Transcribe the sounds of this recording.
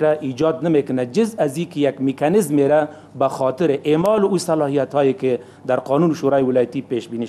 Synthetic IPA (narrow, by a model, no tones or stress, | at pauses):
ɾaʔid͡ʒɔd̪namekʊnad͡ʒɪzazikejakmɪkanɪzmeɾa | baxɑt̪ɪɾeʔemɑlʊusalɑhijat̪hɔjeke | d̪aɾqɔnunʃuɾɑjiwɪlɑjat̪ipeʃbini